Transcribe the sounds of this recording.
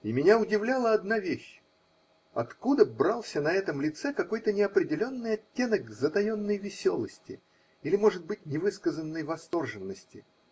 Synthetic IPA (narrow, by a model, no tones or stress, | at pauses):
imʲɪnʲaʊdʲɪvlʲalˠəɐd̪navʲeɕ | ɐ̰t̪kud̪əbɾɑlˠsʲənɐɛt̪əmlʲɪt̪sɛkɐko̞jt̪ənʲɪɐpɾʲɪdʲɪlʲo̞nːɨjɐtʲːe̞nəɡzət̪ɐjo̞nːəjvʲɪsʲo̞lˠəsʲtʲɪ̰ | ilʲɪmo̞ʐɨd̪̚bɨt̚ʲnʲɪvɨskəzənːəjvɐst̪o̞rʐɨnːəsʲtʲɪ̰